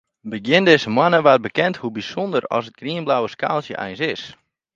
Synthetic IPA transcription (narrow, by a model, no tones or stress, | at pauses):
bəɡjɪndɪsəmwanəʋat̚bəkɛnthubisondərɔ̰sət̚ɡriənblawəska̰ːlˠsjə̰ʔɛ̰jnsɪs